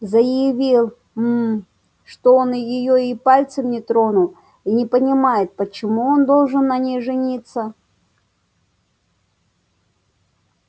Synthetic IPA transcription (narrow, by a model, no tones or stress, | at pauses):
zəjɪvʲilˠ | m | ʂt̪oonjɪjoipalʲt̪səmnʲɪt̪ɾo̞nʊ | inʲɪpənʲɪmajɪt̪̚pət͡ɕɪmuo̞nd̪o̞lˠʐɨnːɐnʲejʐɨnʲit̪sə